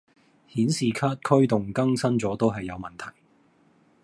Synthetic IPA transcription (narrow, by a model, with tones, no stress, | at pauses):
hiː˨˥nsiː˨˩kʰaː˥t̚kʰɵ˥ɥt̪ʊ˨ŋkɐ˥ŋsɐ˥nt͡sɔː˨˥t̪o˥wɦɐ˨jːɐ˨˧wmɐ˨˩nt̪ʰɐ˨˩j